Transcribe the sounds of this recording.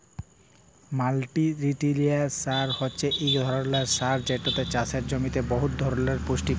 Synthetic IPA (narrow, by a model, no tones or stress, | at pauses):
malʈiɾiʈiliasaɾhotːɕʰeʔejɡd̪ʱɔɾonlaɾsaɾd͡ʑeʈːot̪et͡ɕasʰeɾd͡ʑomit̪ebɔɦut̪̚d̪ʱɔɾoleɾpoʃʈi